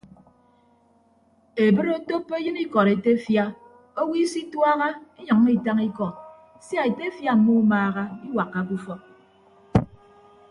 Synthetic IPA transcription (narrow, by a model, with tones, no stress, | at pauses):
e˨bɨ˦ɾo˦to˦pːe˦jɨ˦ni˦kɔ˨ɾe˨te˦fja˦ | o˦wi˦si˦twa˦ɣa˦e˦ɲɨ˨ŋː˦i˦˨ta˦ŋi˦kɔ˨t | sja˦˨e˨te˦fja˦m̩˨mu˦u˦maː˦ɣa˦i˦wa˨kːa˦ku˦fɔ˦